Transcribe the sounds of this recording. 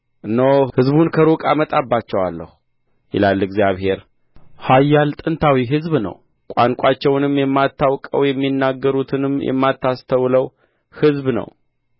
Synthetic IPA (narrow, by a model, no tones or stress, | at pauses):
ʔɨnːəwhɨzbunkʰəɾukʼamət̪ʼabːat͡ʃːɛwa̰lːə̰hu̥ | jɪ̰lalːɨɡzijaβhe̞ɾ | hajːalt̪ʼɨnt̪ʰawiɦɨzbnə̰w | kʷʼaŋkʷʼat͡ʃːɛwnɨmjɛmːat̪ːawkʼə̰wjɛmːinːaɡːəɾut̪ʰɨnɨmjʔɛ̰mːat̪ːast̪ʰəwləw | hɨzbnə̰w